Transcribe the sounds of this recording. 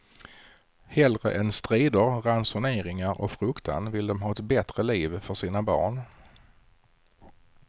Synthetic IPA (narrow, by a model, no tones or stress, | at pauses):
hɛlɾə̰ʔɛnst̪ɾiːd̪əɾɾansʊneːɾɪŋaɾʔɔ̰kfɾɵkt̪ʰa̰nvɪld̪ɔmɦɑːɛt̪bɛt̪ɾəliːvfœʂiːnabɑ̰ːɳ